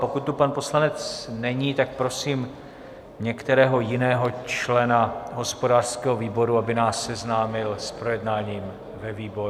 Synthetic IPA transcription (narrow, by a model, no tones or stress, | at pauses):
po̞kut̪ːupanpo̞slanɛt͡snɛɲiːt̪ak̚pɾo̞siːm | ɲɛkt̪ɛɾɛːɦo̞jɪnɛːɦo̞t͡ʃlɛnaɦo̞spo̞daːr̥skɛːɦoviːbo̞ɾuabɪnaːsːɛznaːmɪlspɾo̞jɛdnaːɲiːm | vɛviːbo̞ɾ